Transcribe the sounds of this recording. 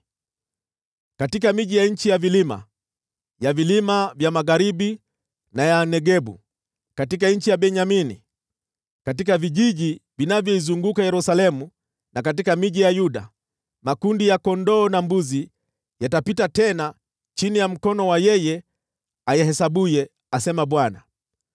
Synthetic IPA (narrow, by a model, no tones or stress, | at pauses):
katikamiʄijaɲ̩t͡ʃijavilima̰ | javilimavjamaɣaɾiɓi | najanɛɡɛɓṵ | katik̬aɲ̩t͡ʃijaɓɛɲaminḭ | katikaviʄiʄivinavjɔizuŋɡukajɛɾusalɛmu | nakat̬ikamiʄijajuɗa̰ | makundijakɔndɔːnambuzi | jatapitatɛna | t͡ʃinijam̩kɔnɔwajɛjɛ | ajɛhɛsaɓujɛ | asɛmaɓwana̰